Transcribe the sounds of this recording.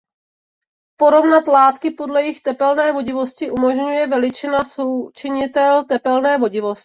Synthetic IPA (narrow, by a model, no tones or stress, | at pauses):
po̞ɾo̞vnat̪laːt̪kɪpo̞dlɛjɪxt̪ɛpɛlnɛːvo̞ɟɪvo̞scɪʔumo̞ʒɲujɛvɛlɪt͡ʃɪnasowt͡ʃɪɲɪt̪ɛlt̪ɛpɛlnɛːvo̞ɟɪvo̞scɪ̥